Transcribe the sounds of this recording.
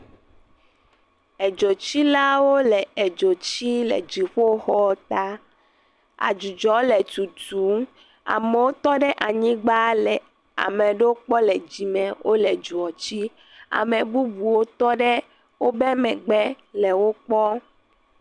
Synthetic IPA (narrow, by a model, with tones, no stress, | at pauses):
ɛ˨d͡ʒo˨t͡ɕi˦la˦wo˦lɛ˨ɛ˨d͡ʒo˨t͡ɕi˦lɛ̰˨d͡ʑi˨ɸo˦xɔ˦t̪a˦ | a̰˨d͡ʒu˨d͡ʒɔ˨˦lɛ˨tu˨tu˨˦ | a̰˨mɛ˨wo˦t̪ɔ˦ɖɛ˦ʔa˨ɲĩ˦ɡ͡ba˦lɛ˨ | a̰˨mɛ̃˨ɖe˦wo˦k͡pɔ˦lɛ˨d͡ʑi˨mɛ̃˨wʔo˦lɛ˨d͡ʒu˨ɔ˨t͡ɕi˦ | a̰˨mɛ̃˨bu˦bu˨wo˦t̪ɔ˦ɖɛ˦ | wo˦bɛ˦mɛ̃˨ɡ͡bɛ˦ | lɛ˨wo˦k͡pɔ˦